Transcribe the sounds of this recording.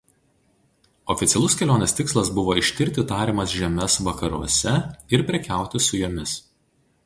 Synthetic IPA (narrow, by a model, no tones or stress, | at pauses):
ɔfʲɪt̪sʲɛlˠʊskʲɛlʲoːnʲɛːst̪ʲɪkslˠɐsbʊʋoːɪʃʲt̪ʲɪɾʲt̪ʲɪt̪ɑːɾʲiːmɐsʒʲɛmʲɛsʋɐkɐɾuɔsʲɛɪɾpʲɾʲɛkʲæˑʊt̪ʲɪsʊjoːmʲɪs